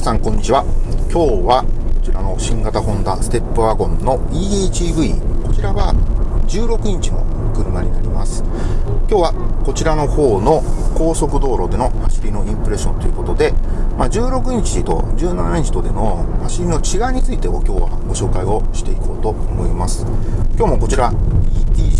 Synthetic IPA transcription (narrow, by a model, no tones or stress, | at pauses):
sãŋkõ̞ɲ̟ːit͡ɕiβ̞akʲo̞ːβako̞t͡ɕiɾano̞ɕĩŋɡat̪aɦõ̞nd̪asɨ̥t̪e̞pːɯ̟aɡõ̞nːo̞iːiːt͡ɕibɯ̟iko̞t͡ɕiɾaβa̰d͡ʑɨːɾo̞kɯ̟ɲ̟it͡ɕino̞̰kɯ̟ɾɯmaɲ̟inaɾʲimasɨ̥kʲoːβako̞t͡ɕiɾano̞ho̞ːno̞ko̞ːso̞kɯ̟d̪o̞ːɾo̞d̪e̞no̞haɕibʲino̞ʔĩmpɯɾe̞ɕːõ̞nt̪o̞jiɯ̟ko̞t̪o̞d̪e̞mad͡ʑɨːɾo̞kɯ̟ɲ̟it͡ɕiit̪o̞̰d͡ʑɨːnanaɲid͡ʑi̥t̪o̞d̪e̞no̞haɕiɾʲino̞t͡ɕiɡaiɲ̟it͡sɨit̪eokʲo̞ːβa̰ɡo̞ɕo̞ːkaio̞ɕi̥t̪e̞ikʰo̞ːt̪o̞omo̞imasɨ̥kʲo̞ːmo̞ko̞t͡ɕiɾaiiː